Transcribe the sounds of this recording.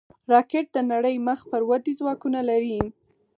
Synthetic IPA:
ɾɑkeʈ̚d̪ənaɽəjməxpəɾwad̪izwɑkunalaɾi

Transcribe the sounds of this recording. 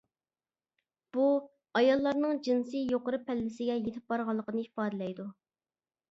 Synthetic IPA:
b̥u | ɑjɑlˠːɑɾnɨŋd͡ʒinsɨjoqəɾɨpʰɛlːɪsɪɡʲɛjet̪ʰɪp̚bɑɾʁɑlˠːəqənɨi̥fɑːd̪ɪlɛjd̪u

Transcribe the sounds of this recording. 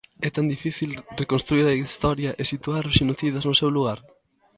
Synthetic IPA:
ɛt̪and̪ifiθilrekonst̪ɾuiɾɐist̪ɔɾjɐʔesit̪uaɾʃinoθiðɐznʊsewluɣ̞aɾ

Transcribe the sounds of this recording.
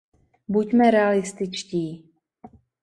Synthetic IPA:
bucmɛɾɛalɪst̪ɪt͡ʃciː

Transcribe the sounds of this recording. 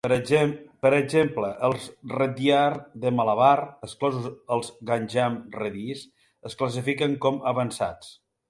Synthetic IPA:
pəɾəɡzempləʔəlˠzrəd̪jaɾðəmaləβarəsklɔzuzəlˠzɣanʲʒamrəðis | əskləs̬ifikəŋkɔməβənsa̰t͡s

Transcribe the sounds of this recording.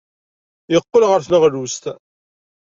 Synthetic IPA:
jəqːəlʁəɾθnəʁɾust̪

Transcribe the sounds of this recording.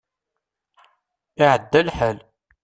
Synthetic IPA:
ɪʕəd̪ːælħəl

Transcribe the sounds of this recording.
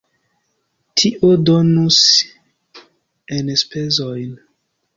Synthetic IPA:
tʰiʔodonus | enspe̞zojn

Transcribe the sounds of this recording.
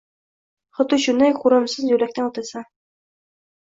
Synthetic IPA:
χŏt̪uɕunæjquɾɤ̆msɤzjʉlæk̚t̪ænɒt̪ɤ̆sɑ

